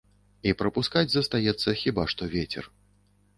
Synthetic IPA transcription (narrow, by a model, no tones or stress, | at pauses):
ipɾɐpuskad͡zʲzɐst̪ajɛt̪sːɐxʲibaʂt̪ɔvʲet͡sʲɛ̰r